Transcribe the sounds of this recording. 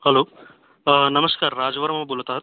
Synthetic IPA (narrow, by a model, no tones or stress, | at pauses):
hɐloː | nɐmɐskaːɾːaːd͡ʒɐʋɐɾɐmɐmɐbulɐt̪aɦɐt̪